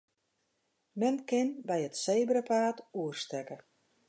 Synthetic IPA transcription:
mɛnkɪnbɛjətseːbəɾəpaːtuərstɛkə

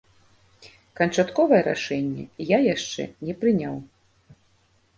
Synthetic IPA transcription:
kɐnt͡ʂat̪kɔvɐjɛɾa̰ʂɛnʲːɛ̰jajaʂt͡ʂɛ̰nʲɛpɾɨnʲaw

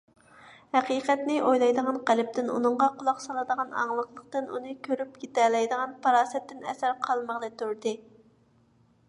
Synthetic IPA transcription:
hæqiːqɛt̪nɪʔojlˠɑjd̪əʁɑnqælɪp̚t̪ɪnṵnɨɴʁɑqʰʊlˠɑqsɑlˠɨd̪əʁɑnɑ̰ŋlˠəqlˠəqt̪ɨnṵnɨkʲʰøɾypɡʲit̪ɛlɛjd̪əʁɑnpʰɑɾɑːsɛt̪ːɪnɛ̰sæɾqʰɑlˠməʁlˠɨt̪ʰuɾd̪ɨ

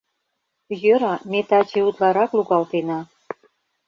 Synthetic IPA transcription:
jøɾɑmet̪ɑt͡ɕeut̪lɑɾɑkluɣɑlt̪enɑ

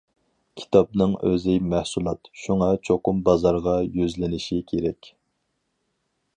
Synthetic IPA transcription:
kʲʰi̥t̪ʰɑp̚nɨŋø̰zɪmæhsulˠɑt̪ʃuŋɑt͡ʃʰoqʊmbɑzɑɾʁɑjyzlɪnɪʃikʲʰeɾɛkʲ

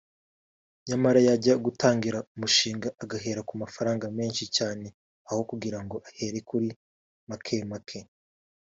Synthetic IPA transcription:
ɲamaɾajaɟaɡutaːŋɡiɾaumuʃiːŋɡaʔːɡaɦe̞ːɾakumafaɾaːŋɡame̞ːnʃicaːne̞ | aho̞kuɡiɾaŋɡo̞ʔahe̞ɾekuɾi | makʰemakʰe

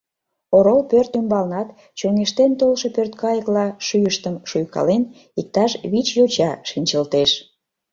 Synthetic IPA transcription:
oɾolpørt̪ymbɑlnɑt̪ | t͡ɕøŋeʃt̪ent̪olʃəpørt̪kɑjəklɑʃyjəʃt̪əmʃujkɑ̰len | ik̚t̪ɑʃβit͡ɕjot͡ɕɑʃinʲt͡ɕəlt̪eʃ

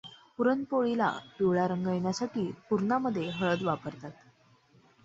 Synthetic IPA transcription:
puɾənpoɭila̰piʋɭaɾəŋɡəjɳjasaʈiːpuɾɳaməd̪ʱːjeɦəɭəd̪ʋapəɾt̪at̪

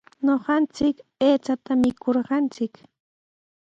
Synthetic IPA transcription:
ɲoɢɑnt͡sɪkpeːt͡sat̪amɪkʰoɾɢɑnt͡sɪk

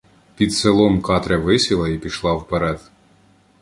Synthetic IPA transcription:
pʲid̪selˠɔmkɑt̪ɾʲɐʋɪsʲilˠɐipʲiʃlˠɑwpeɾɛd̪

